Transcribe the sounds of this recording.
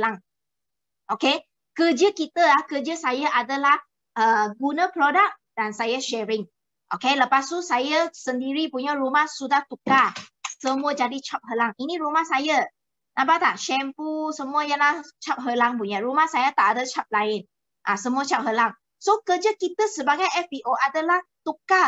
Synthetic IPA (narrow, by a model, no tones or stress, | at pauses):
laŋ | ʔoke | kəd͡ʒəkit̪əahkəd͡ʒəsajaʔadəlah | ʔəɡunəpɾodək̚dansajaʃɛɹɪŋ | ʔokeləpast̪usajasəndiɾipuɲaɾumahsudaht̪ukasəmuəd͡ʒadit͡ʃap̚ɦəlaŋinĩɾumahsaja | nʔãmbat̪aʔʃɛmpusəmũəjaŋlaht͡ʃap̚ɦəlaŋpuɲaɾumahsajat̪aʔadət͡ʃap̚laɪn | ʔãsəmũət͡ʃap̚ɦəlaŋ | sokəd͡ʒəkit̪əsəbaɡajɛfbiʔoʔadəlaht̪uka